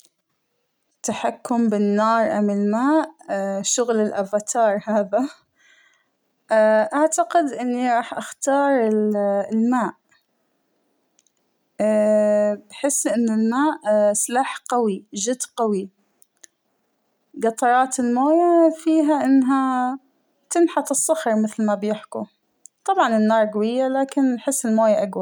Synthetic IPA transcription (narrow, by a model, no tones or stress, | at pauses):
t̪ːaħakːʊmbɪnːɑːɾˤʔa̰mɪlmaːʔʃʊɣlɪlʔafat̪ʰɑːɾˤhaːða | ʔaʕt̪aqɪd̪ʔɪnːiɾˤɑːħʔaxt̪ɑːɾˤɪllmaːʔ | bħɪsːʔɪnːɪlmaːʔslaːħqawiʒɪd̪qawi | ɡɑt̪ˤɑɾˤɑːt̪ɪlmoːjafiːɦaʔɪnːɦa | t̪ɪnħɑt̪ˤɨsˤːɑxɾˤmɪθlmabjɪħkṵ | t̪ˤɑbʕɑnɪnːɑːɾˤɡawɪjːalaːkɪnħɪsːɪlmoːjaʔaɡwa